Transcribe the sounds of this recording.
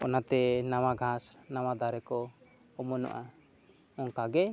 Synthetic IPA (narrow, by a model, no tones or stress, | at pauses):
ɔnat̪ɛnawaɡʱasnawad̪aɾɛkɔ | ɔmɔnɔ̰ʔa | ɔŋkaɡɛ